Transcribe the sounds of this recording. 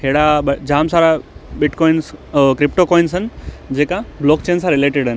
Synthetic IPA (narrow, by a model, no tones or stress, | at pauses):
ɦeːɽaɓɐd͡ʑaːmsaːɾabɪʈkɔːinskɾɪpʈokɔːinsənɪ̆d͡ʑeːkablɔːk̚t͡ɕeːnsãɾɪleːʈɪɖɦən